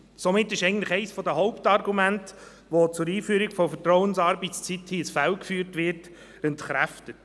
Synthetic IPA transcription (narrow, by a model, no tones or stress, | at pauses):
somɪtːɪʃɛɪɡŋn̩tləχɛɪsfɔd̪əɦɔʊptɑɾɡumænt | ʋot͡sʊɾiːfyːɾɪɡ̥fɔfətɾɔwənsɑːɾbɪt̪st͡sithisfælkfyːɾtʋɪɾt | ɛntχɾæftət